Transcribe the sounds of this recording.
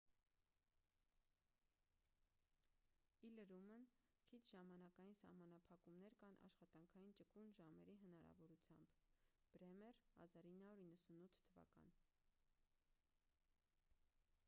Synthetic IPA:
iləɾumənkʰit͡s̪ʰʒ̥ɑmɑnɑkɑjinsɑ̰hmɑnɑpʰɑkumnɛɾkɑnʔɑ̰ʃχɑt̪ɑŋkʰɑjint͡ʃəkunʒɑmɛɾiɦənɑɾɑ̰vɔɾut͡sʰjɑ̰mbb̥ɾɛmɛrhɑ̰zɑɾinːɑuɾinːəsunut̪ʰt̪ʰːəvɑ̰kɑ̰n

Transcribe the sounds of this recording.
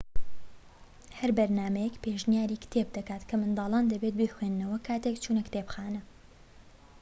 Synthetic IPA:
hɐɾbɐɾnaːmɐjɛkpeːʒnijaːɾiːkʰɨ̥t̪ʰeb̚d̪ɐkaːt̪kʰɐmɨnd̪ɑːlˠaːnd̪ɐbet̪̚bexweːnnɐwɐkʰaːt̪ekt͡ʃʰuːnɐkt̪eːpxaːnɨ

